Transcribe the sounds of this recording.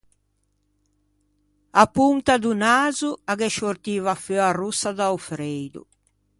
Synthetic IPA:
apunt̪ad̪unaːzuaɡɛʃort̪iːvaføarusːad̪awfɾejd̪ṵ

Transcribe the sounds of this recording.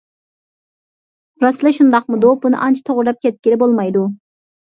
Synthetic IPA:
ɾɑslˠɨʃund̪ɑqmud̪obunɨ̰ʔɑnt͡ʃʰi̥t̪ʰoʁɾɑp̚kʲʰɛt̪̚kʲilɪbolˠmɑjd̪u

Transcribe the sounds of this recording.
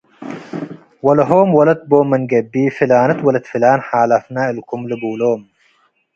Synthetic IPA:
wɐlɐɦoːmwɐlɐt̪̚boːmːɐnɡɐbːiːfilaːnɐt̪wɐlɐt̪filaːnħaːlɐfnaːɪlkʊmlɨbuːloːm

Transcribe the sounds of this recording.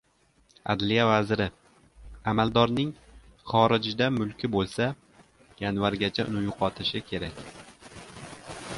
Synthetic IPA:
a̰d̪lijavazɾɪ | amald̪ɒɾnɪŋχɒɾɪd͡ʒd̪amʊlˠkʲɪbolˠsa | janvaɾɡʲat͡ʃʰaʊ̰nɪjʊqʰɒt̪ʰɪʃɪkʲʰe̞ɾakʲ

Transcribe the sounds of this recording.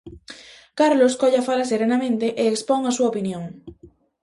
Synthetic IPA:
kaɾloskoʎafalaseɾenamẽnt̪eʔeːkspoŋasuaopinjõŋ

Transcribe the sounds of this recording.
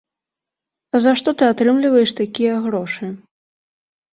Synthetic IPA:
zaʂt̪ɔt̪ɨat̪ɾɨmlʲivɐjɛʂt̪akʲijɐɣɾɔʂɨ

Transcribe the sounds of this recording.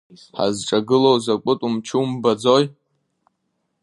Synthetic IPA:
ħa̰zʈ͡ʂʼaɡɨlowzakʷʼʊtʼumt͡ʃʰɨmbad͡zoj

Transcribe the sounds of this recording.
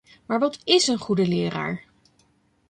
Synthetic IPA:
maːɹʋɑtɪsənχudəlɪːɾa̰ːɹ

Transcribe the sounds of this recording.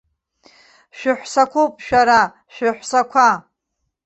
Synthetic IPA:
ʃᶣɪħʷsakʷʰowpʼʃᶣaɾa | ʃᶣɪħʷsakʷʰa

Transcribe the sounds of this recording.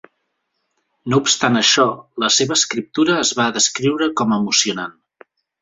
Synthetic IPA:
noupst̪anəʃɔləseβəːskɾip̚t̪uɾəːzβaðəskɾiwɾəkɔməmusiunan

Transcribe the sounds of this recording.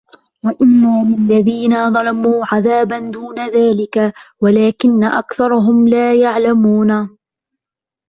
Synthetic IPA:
waʔɪnːaːlɪlːaðiːnaðˤɑlɑmuːʕaðaːband̪uːnaðaːlɪkawalaːkɪnːaʔa̰kθɑɾˤʊɦʊmlaːjaʕlamuːna

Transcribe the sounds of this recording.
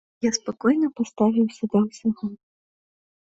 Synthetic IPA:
jaspɐkɔjnɔpɔst̪aʋʲiwsʲɔd̪ɛsʲɐɦɔ

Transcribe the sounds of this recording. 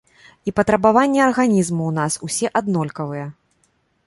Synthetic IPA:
ipɐt̪ɾɐbavanʲːɛɐrɣanʲizmuwnasusʲɛʔad̪nɔlʲkɐvɨjɛ

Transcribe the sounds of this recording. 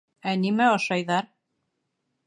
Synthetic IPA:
ænimæɤ̆ʃɑjðɑɾ

